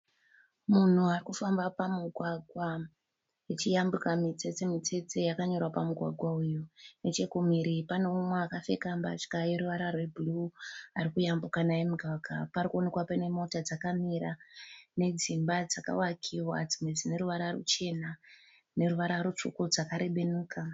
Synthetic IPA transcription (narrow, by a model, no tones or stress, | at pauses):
mun̤uarikufambapamuɡʱwaɡʱwa | jet͡ʃijambukamit͡set͡semit͡se̞t͡se̞jakaɲo̞rwapamuɡʱwa̰ɡʱwaujonet͡ʃe̞kumiɾipaneumweakafe̞̰kambat͡ʃkajeɾuʋaɾarwebuluaɾikujambukanajemuɡʱaɡʱaparikuone̞kwapene̞mo̞tad͡zakamiɾane̞d͡zimbad͡zaka̰wakʰiwad͡zimwed͡zine̞ɾuʋaɾarṵt͡ʃe̞na | ne̞ɾuʋaɾaɾut͡ʂṵkod͡zakaɾe̞ɓe̞nuːkʰa